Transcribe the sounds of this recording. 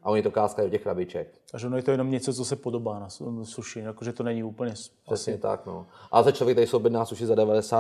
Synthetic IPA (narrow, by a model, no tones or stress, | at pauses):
ʔaʔoɲit̪okaːskajdocɛxɾabɪt͡ʃɛk̚ʔaʒɛonojɛt̪ojɛno̞mɲɛt͡sot͡sosɛpodobaːnassuʃɪjakoʒɛt̪onɛɲiuːpl̩ɲɛs | ɾɛsɲɛt̪a̰kno̰ʔa̰lsat͡ʃlovjɛkt̪aɾɪsowbjɪɛdnaːsuʃɪzadɛvadɛsaː